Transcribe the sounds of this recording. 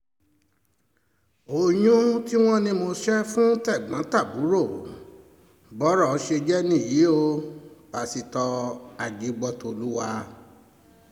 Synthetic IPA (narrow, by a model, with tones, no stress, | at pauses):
o˨j̃ũ˦ti˦w̃ɔ̃˦nĩ˧mo˧ʃɛ˦fũ˦tɛ˦˨ɡ͡bã˨˦ta˦˨bu˨˦ɾo˦˨ | bɔ˨˦ɾɔ˦˨˦ʃe˧d͡ʒɛ˦nĩ˦˨ji˨˦o˧ba˨˦si˧˨tɔ˧a˨d͡ʒi˨˧ɡ͡bɔ˧tːlu˦wa˧